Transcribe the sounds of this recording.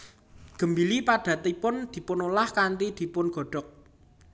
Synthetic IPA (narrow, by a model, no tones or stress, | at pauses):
ɡ̥ə̤mbilipaɖ̥ä̤t̪ipʊnd̪̥i̤pʊnolahkant̪id̪̥i̤pʊnɡ̥ɔ̤ɖ̥ɔ̤k̚